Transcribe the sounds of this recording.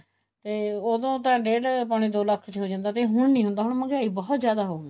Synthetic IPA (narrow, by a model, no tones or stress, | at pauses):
t̪eːoːd̪õːt̪ãːɖeːɽpaːɽ̃iːd̪oːləkʰt͡ʃɦoːd͡ʒãːnd̪aːt̪eːɦʊɳnĩːɦʊ̃nd̪aːɦʊɳməɡaːiːbɔːt̪zjaːd̪aːɦoːn